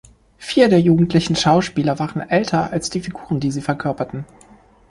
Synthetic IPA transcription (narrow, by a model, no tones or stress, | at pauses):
fiːɐdeːɐjuːɡŋ̩tʰlɪçn̩ʃaʊʃpiːlɐvaːʁənʔɛltʰɐalsd̥iːfiɡuːʁəndiːziːfɛɐkʰœɐpɐtn̩